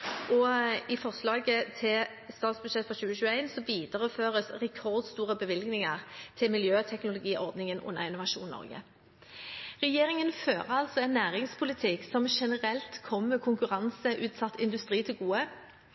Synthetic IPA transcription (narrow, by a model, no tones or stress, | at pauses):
ʔɔɪfɔʁslɑːɡət̪ʰɪl | st̪ɑːt̪sbʉd̪ʃɛt̪ːfʁɑɕʉːəɕʉːəæɪnsɔʋiːd̪əʁəføːʁəsʁɛkʰɔʁd̪st̪uːʁəbəʋɪlɡnɪŋəʁt̪ʰɪlmɪljøːt̪ʰɛknʊlʊɡiːʔɔʁd̪nɪŋənʔʊ̰nːə̰ʁɪnʊʋɑʃṵːnnɔ̰ʁɡə̰ | ʁɛjeːʁɪŋənføːʁɑlsɔɛnːæːʁɪŋspʰʊlɪt̪ʰɪksɔmʃɛnəʁɛlt̪kʰɔmməkʰʊŋkʉʁɑnsəʔʉːt̪sɑt̪ʰːɪnd̪ʉst̪ʁiːt̪ʰɪlɡuːə